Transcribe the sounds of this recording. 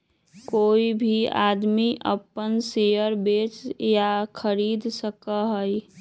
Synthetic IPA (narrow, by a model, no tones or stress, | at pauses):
koːibʱia̰ːd̪miʔə̰pənsejəɾbeːt͡ʃjakʰəɾiːd̪səkəɦəi